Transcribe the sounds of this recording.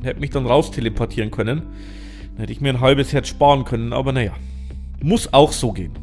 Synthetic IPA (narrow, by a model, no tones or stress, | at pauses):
nhɛtəmɪçd̥anʁaʊstʰelepʰɔɐtʰiːʁənkʰœnən | d̥anhɛtəɪçmiːɐnɦalbəshɛtʃpaːʁənkʰœnənʔa̰ːbɐnajaː | mʊsaʊxz̥oːɡḛːn